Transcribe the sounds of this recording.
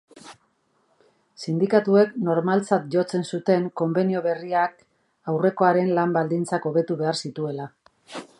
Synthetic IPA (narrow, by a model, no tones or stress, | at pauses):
sind̪ikat̪ue̞kno̞ɾmalt͡sat̪ʝo̞t͡se̞nsut̪e̞ŋko̞mbe̞nio̞βe̞riak | awre̞ko̞aɾe̞nlambald̪int͡sako̞βe̞t̪uβe̞aɾsit̪ue̞la